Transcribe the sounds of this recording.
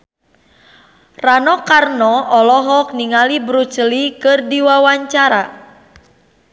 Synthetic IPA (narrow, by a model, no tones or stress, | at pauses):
ranɔkarnɔʔɔlɔɦɔk̚niŋalibɾut͡ʃəlikɨrdiwawaɲt͡ʃaɾa